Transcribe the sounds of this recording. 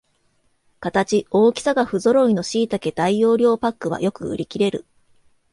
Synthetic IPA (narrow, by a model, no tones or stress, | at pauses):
kat̪at͡ɕio̞ːkʲi̥saɡaɸɯ̟zo̞ɾo̞ino̞ɕiːt̪ake̞d̪aijo̞ːɾʲo̞ːpakːɯ̟βa̰jo̞kɯ̟ɯ̟̰ɾʲikʲiɾe̞ɾɯ̟